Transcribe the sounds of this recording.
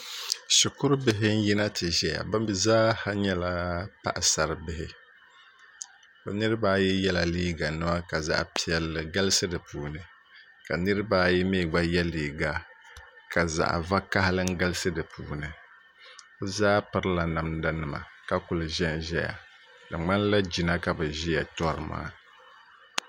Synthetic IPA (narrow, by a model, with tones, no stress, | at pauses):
ʃʊ˨kʊ˦ɾʊ˦bɪ˦ɦɪ˦n̩˦ji˦na˦tɨ˨ʒɛ˦ja̰˨ba˦m˦bi˨zaː˦ha˦ɲɛ˦la˦pa̰˦˨ʔsa˨ɾɨ˨bɪ˦ɦɪ˦ | o˨nɨ˦ɾbaː˦jɛ˦jɛ˦la˨liː˦ɡa˨nɨ˦ma˦ka˨za̰˦ʔpi˨ɛ˨lɡa˦lɨ˦sɨ˦dɨ˨puː˨nɨ˨ | ka˨nɨ˦ɾɨ˦baː˦ji˦meː˦˨ɡ͡ba˦jɛ˦liː˨ɡa˦ka˨za̰˨ʔva˦ka˦hɪ˦lɨ˦ŋ˦ɡa˦lɨ˦sɨ˦dɨ˨puː˨nɨ˨ | o˦zaː˦pɨ˨ɾɨ˦la˨na˨mda˦nɨ˨ma̰˨ka˦kʊ˨lɨ˨ʒɛ˦n˨ʒɛ˦ja̰˨ | dɨ˨ŋ͡ma˦n˦la˦d͡ʒi˨na˦ka˨bɨ˨ʒi˦ja˨tɔ˦ɾɨ˨ma̰ː˦